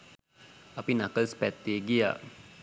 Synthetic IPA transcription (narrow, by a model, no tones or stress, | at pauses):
apinakəlspɛt̪ːeɡia̰